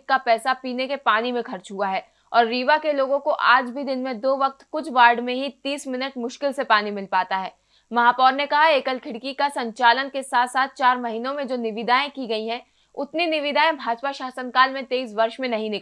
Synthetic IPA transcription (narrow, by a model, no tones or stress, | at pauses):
kːapɛːsapiːnekepaːnimẽkʰɐɾt͡ʃɦuaɦɛː | ɔːɾːiːʋakeloːɡõkoʔaːd͡ʒbʱid̪ɪnmẽd̪oːʋɐk̚t̪kʊt͡ʃʰʋaːɾɖmẽɦit̪iːsmɪnəʈmʊʃkɪlsepaːnimɪlpaːt̪aɦɛː | mɐɦaːpɔːɾnekɐɦaeːkəlkʰɪɽkikasɐ̃ɲt͡ʃaːlənkesaːt̪ʰsaːt̪̚ʰt͡ʃaːɾmɐɦiːnõmẽd͡ʒoːnɪʋɪd̪aːẽkiɡɐiɦɛ̃ | ʊt̪ninɪʋɪd̪aːẽbʱaːd͡ʒpaʃaːsənkaːlmẽt̪eːiːs̬ʋɐɾʃmẽnɐɦĩnɪk